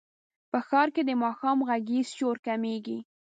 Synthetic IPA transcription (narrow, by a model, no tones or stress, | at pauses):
pəxɑɾked̪əmɑxɑmɣaɡiz̥t͡ʃoɾkameɡḭ